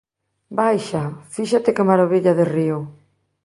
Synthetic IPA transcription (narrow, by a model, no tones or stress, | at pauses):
bajʃafiʃat̪ɪkɪmaɾoβiʎaðɪriʊ